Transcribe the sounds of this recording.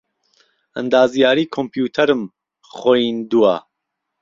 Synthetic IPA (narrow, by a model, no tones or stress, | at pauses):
ɐ̰nd̪aːzijaːɾiːkʰompʰjuːt̪ʰɐɾɨm | χojind̪ua̰